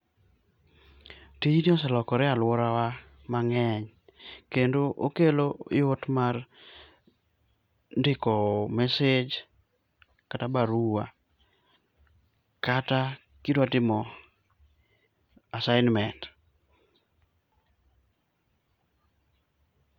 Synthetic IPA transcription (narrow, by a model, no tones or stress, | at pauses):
tijiniɔsɛlɔkɔɾɛalwɔɾawa | maŋɛɲ | kendoʔo̰keloɪotmar | ndɪkɔmɛsed͡ʒ | katabaɾuwa | kata | kidwatɪmɔ | asaɪnmɛnt